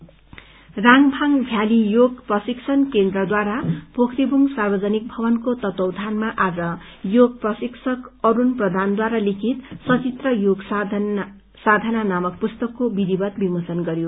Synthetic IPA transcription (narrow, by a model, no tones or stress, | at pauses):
raŋbʱaŋbʱjalijoɡprʌsiksʰʌnkend̪rʌd̪waɾapokʰɾibʱuŋsarbʌd͡zʌnik̚bʱʌbʌnkot̪ʌt̪owd̪ʱanmaʔad͡zʌjoɡ̚prʌsiksʰʌkʌɾunprʌd̪ʱand̪waɾalikʰit̪sʌt͡sit̪rʌjoɡ | sad̪ʱananamʌkpust̪ʌkːobid̪ibʌt̪bimosʌnɡʌɾjo